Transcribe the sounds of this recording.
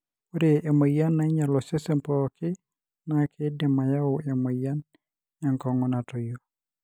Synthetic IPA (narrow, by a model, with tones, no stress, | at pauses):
o˦ɾe˨e˨mo˨ja˦nːa˨˦ɲa˨lɔ˨se˦se˦mpɔ˨kɪ˦ | na˨kʰe˦dɪ˨ma˨ja˦ʊ˨e˨mo˨ja˦n | ɲa˨ŋkɔ˨ŋʊ˦na˨tɔ˨jo˦